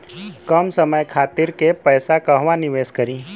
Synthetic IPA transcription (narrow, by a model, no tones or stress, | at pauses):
kəmsəməjkʰaːt̪ɪɾkepəjsakəɦʋanɪʋeːskəɾĩː